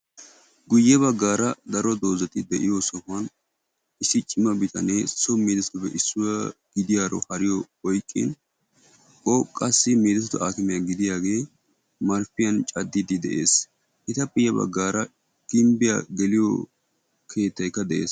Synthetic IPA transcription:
ɡʊjːɛbɐɡːaːɾɐd̪ɐɾɔd̪o̞ːzɐt̪ɪd̪ɛʔɪjɔsɔhʊɐn | ʔɪsːɪt͡ʃʼɪmɐbɪt̪ɐnesɔmiːd̪ɛst̪ʊbɛʔɪsːʊwɐɡɪd̪ɪjaːɾɔ̰hɐɾɪjɔ | ɔjkʼːɪ̰n | ʔɔkʼɐsːɪmeːd̪ɛsɛt̪ʊʔaːkɪmɛjɐɡɪd̪ɪjaːɡe̞ː | mɐɾfɪjɐnt͡ʃʼɐd̪ːɪd̪ɪd̪ɛ̰ʔeːs | ʔɪt̪ɐpːɪjɐbɐ̰ɡːaːɾɐ | ɡ̥ɪmbɪja̰ɡɛlɪjɔ̰ | kʰe̞ːt̪ːɐjkːɐd̪ɛʔeːs

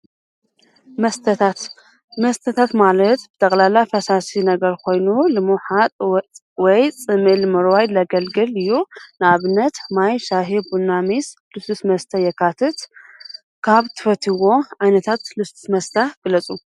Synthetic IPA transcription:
mɐst̪ʰat̪ | mɐst̪ʰət̪ʰat̪malɐt̪bɨt̪ʰʼəkʼlalːajfɐsasinɐɡɐɾkʰo̞jnulɨmuħat̪ʼt̪ʼ | wɔjt͡sʼɨmɨlmɨɾwajlɐɡɐlɡɨlɨjːunɨaβɨnːɐt̪majʃaɦibunːamislɨsusmɐst̪ʰajɛkʰat̪ʰɨt̪ | kʰaβt̪ʰɨ̥fɐt̪ʰɨwo̞ʕajnɐt̪ʰat̪lɨsu̥smɐst̪ʰaɡ̥ɨlət͡sʼu

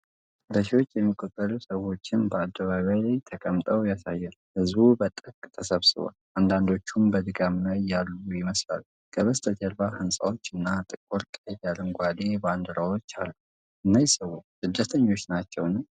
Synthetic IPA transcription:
bəʃiwo̞t͡ʃːjɛmːikʼot̪ʼːəlusəwo̞t͡ʃːɪnbəad̪ːəβaβajlajt̪ʰəkʼəmt̪ʼəwjasajːɛnuhɨzbubət̪ʼɨkʼt̪ʰəsəβsɨβa̰land̪and̪o̞t͡ʃːumbəd̪ɨɡamlajːalːujɪməsla̰lu | kʰəβəst̪ʼət̪ʰɛlbahɨnsʼa̰wo̞t͡ʃːɨnːat̪ʼɨkʼuɾkʼejalənɡʷad̪eband̪ɨɾawo̞t͡ʃːa̰lnəw | ʔɨnːajsəwosɨd̪ːət̪ʰəɲːo̞t͡ʃːnat͡ʃːɛwnəm

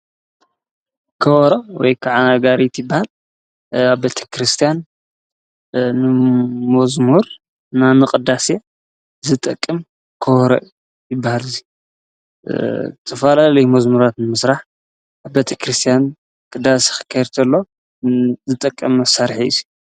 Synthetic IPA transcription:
kʰɐwɔɾowɔjkʰaʕaaɡaɾit̪jɪbːahal | aβbet̪ʰe̥kɾɨst̪ʰijan | ɨmɐzmuɾ | nanɨqʼɨd̪ase | zɨt̪ʼɨkʼːɨm | kʰɐwɔɾɐ | jɪbːahalɨzi | ɨt̪ʰɐfalalɐjmɐzmuɾat̪nɨmɨsɾaħ | aβbet̪ʰekʰɾɨst̪ʰijan | kʼɨd̪asi̥xɨ̥kʰɐɾt̪ʰɐlːo | zɨt̪ʼɨkʼːɐmːɐsaɾħiḭzi

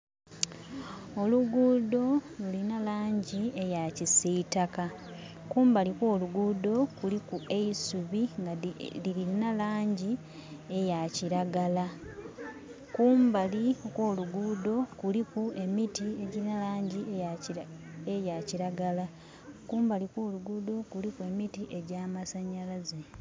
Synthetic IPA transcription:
o̞luɡuːdo̞lulinalaːɲɟiejacisiitaka | kuːmbalikwo̞ːluɡuːdo̞kulikue̞isuβiŋɡaliɾiɾinalaːɲɟi | e̞jaciɾaɡala | kuːmbalikwo̞ːluɡuːdo̞kulikue̞mitie̞ɟiɾinalaːɲɟi | ejaciɾaɡala | kuːmbalikwoːluɡuːd̪o̞kulikue̞mitiʔe̞ɟaːmasaɲalaze

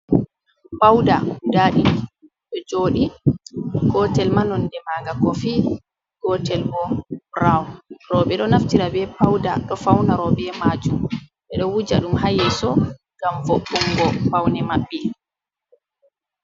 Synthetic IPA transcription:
pawdaudaːɗi | ɗɔd͡ʒoːɗi | ɡ̥ɔtɛlmanɔndɛmaːɡakɔfi | ɡ̥ɔtɛlbɔbɾawɔɾɔɓɛɗɔnaftiɾabɛpawdaɗɔfawnaɾɔbɛmaːd͡ʒumɓɛɗɔwud͡ʒaɗumɦajɛsɔ | ɡ̥amvɔɓːɔŋɡɔpawnɛmaɓːɛ

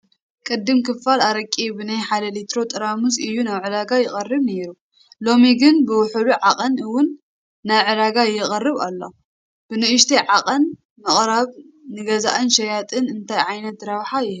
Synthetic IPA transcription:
kʼɨd̪ːɨmkʰɨfːalaɾɐkʼibɨnajħad̪ɐlit̪ɾo̞t̪ʼɨɾamusɨjːunaβʕɨdaɡajɪχʼɐrːɨβneɾu | lo̞miɡɨnbɨwʊħɨluʕaqʼɐnɨwʊnː | aβʕɨd̪aɡajɪχʼɐrːɨβa̰lːo | b̥ɨnɨʔɨʃt̪ʰiʕaqʼɐn | mɨχʼɾaβ | nɨɡɐza̰ʔɨnʃɐjat̪ʼɨnɨnt̪ʰajʕajnɐt̪ɾɐβħajɪhɨ

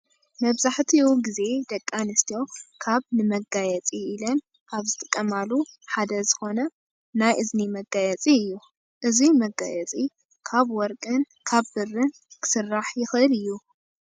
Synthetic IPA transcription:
mɐβzaħt̪ʰiɡize̞d̪ɐkʼːanɨst̪ijo̞kʰaβnɨmɐɡajɛt͡sʼiilɐn | kʰaβzɨt̪ʼɨkʼːɐmaluħad̪ɐzɨxo̞nɐ | najʔɨznimɐɡajɛt͡sʼiɨjːu | ʔɨzimɐɡa̰jɛt͡sʼi | kʰaβwɔɾkʼɨn | kʰaβbɨrːɨn | kʰɨ̥sɨrːaħjɪxɨʔɨlɨjːu

